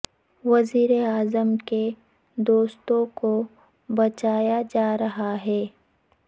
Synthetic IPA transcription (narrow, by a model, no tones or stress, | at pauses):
ʋɐziːɾeaːzəmke | d̪oːst̪õko | bɐt͡ʃaːjad͡ʒaːɾɐɦaɦɛː